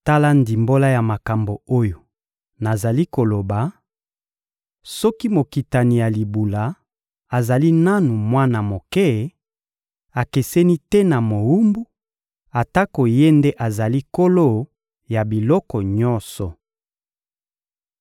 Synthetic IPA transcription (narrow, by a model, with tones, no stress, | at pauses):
ta˦la˦ndi˨mbo˦la˦ja˨ma˨ka˨mbo˨o˦jo˨ | na˨za˨li˦ko˨lo˨ba˨ | sɔ˦ki˦mo˨ki˨ta˨ni˨ja˨li˨bu˨la˨ | a˨za˨li˦na˦nu˨mwa˦na˨mo˨kɛ˦˨ | a˨ke˨sɛ˦ni˦tɛ˦na˨mo˨wu˦mbu˦ | a˨ta˦ko˨je˦nde˦ʔa˨za˨li˦ko˦lo˦ | ja˨bi˨lɔ˦kɔ˨ɲɔ˦nsɔ˨